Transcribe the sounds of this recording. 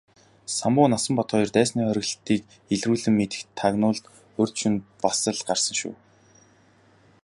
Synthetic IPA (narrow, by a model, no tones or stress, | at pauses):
samʊːnasə̆mpɔt̪χʰɔjɞ̆rt̪æːsniːχœɾʲɪ̆ɣ̆ɬt̪iːk | eɮruːɮɘ̆mːet̪ɘ̥̆kt̪ʰːaɣnʊːɮt̪ | ɵr̥ʲt͡ɕʰunpasə̆ɮɢarsə̆ŋʃṵː